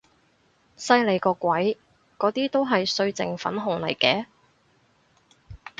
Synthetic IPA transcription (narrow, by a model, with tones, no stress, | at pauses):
sɐ˧jle˨jkɔː˧kʷɐ˨˥j | kɔː˨˥t̪iː˥t̪o˥wɦɐ˨jsɵ˧ɥt͡sɪ̰˨ŋfɐ̰˨˥nɦʊ˨˩ŋlɐ̰˨˩jkɛː˨˥